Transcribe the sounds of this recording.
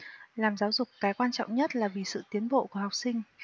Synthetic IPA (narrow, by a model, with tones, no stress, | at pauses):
laː˨˩mzaː˨˦wzʊ˨˩k͡p̚kaː˨˦jkwaː˧nt͡ɕɔ̰˧˨wŋ͡mɲə˦˥t̚laː˨˩vi˨˩sɨ̰˧˨t̪i˨˦ənɓo̰˧˨ku˧˩əha˨˩wk͡p̚sï˧ŋ̟